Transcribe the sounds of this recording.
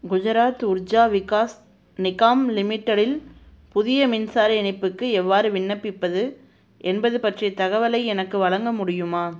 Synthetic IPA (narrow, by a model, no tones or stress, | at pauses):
ɡʊðɐɾaːt̪ʊɾd͡ʒaːʋɪkaːs | nɪkaːmlɪmɪʈːɐɽɪl | pʊðɪjɐmɪnsaːɾɐɛɳɪpːɯkːɯɛʋːaːɾɯʋɪɳːɐpːɪpːɐðɯ | ʔɛnbɐðɯpɐʈrijɐt̪ɐɣɐʋɐlɐɪɛnɐkːɯʋɐɭɐŋɡɐmʊɽɪjɯmaː